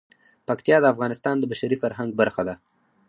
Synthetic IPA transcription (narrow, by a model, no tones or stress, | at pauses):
pakt̪jɑd̪əafɣɑnɪst̪ɑnd̪əbaʃaɾifaɾɦaŋɡbaɾxad̪a